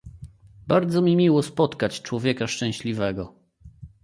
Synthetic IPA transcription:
baɾd̪zɔmʲimʲiwɔspɔt̪kat͡ɕt͡ʂwɔvʲjɛkaʂt͡ʂɛ̃w̃ɕlʲivɛɡɔ

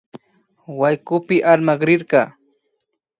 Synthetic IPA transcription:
wajkʊpɪʔaɾmaɢɾɪɾkɑː

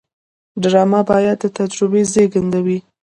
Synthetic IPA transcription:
ɖɾɑmabɑjad̪̚ːət̪ad͡ʒɾʊbezeɡand̪awi

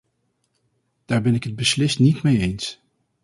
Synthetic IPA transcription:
d̥aːɹbɛnɪkɦəd̚bəslɪstnitmejejns

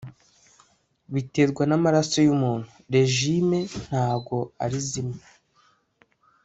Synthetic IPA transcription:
βite̞ɾɡwanamaɾasojumuːn̥huɾe̞ʒime̞n̥haːbɡo̞aɾizima

